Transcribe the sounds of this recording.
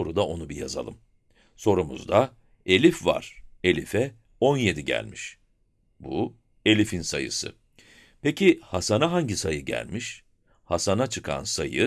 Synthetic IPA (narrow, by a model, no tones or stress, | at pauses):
o̞ɾud̪ao̞nubija̰za̰lˠɯm | so̞ɾumṵzd̪a | e̞lʲifva̰ɾ̥e̞lʲifɛ | o̞nje̞d̪iɟæ̰lʲmiʃ | bu | e̞lʲifinsajɯ̰sɯ̰ | pecʰihasanaɦaɲɟisajɯɟæ̰lʲmiʃ | hasanat͡ʃʰɯkʰa̰nsajɯ